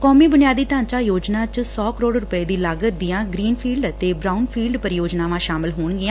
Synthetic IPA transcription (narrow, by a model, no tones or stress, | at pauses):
kɔːmiːbʊnɪjaːd̪iːt̪ãːɲt͡ʃaːjoːd͡ʒnãːt͡ʃsɔːkəɾoːɖɾʊpəeːd̪iːləɡd̪ɪjãːɡɾiːnpʰiːlɖt̪eːbɾaːunpʰiːlɖpəɾɪjoːd͡ʒnaːʋãːʃaːmɪlɦoːɳɡɪjãː